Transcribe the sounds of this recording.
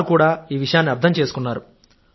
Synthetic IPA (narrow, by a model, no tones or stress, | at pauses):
ukuːɽaːiːʋiʂɐjaːnːiɐɾd̪ʱɐmt͡ʃe̞ːsu̥kunːaːɾu